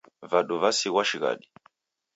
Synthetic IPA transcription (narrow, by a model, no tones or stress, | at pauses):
vaɗɔvasiɣwaʃiɣa̰ɗi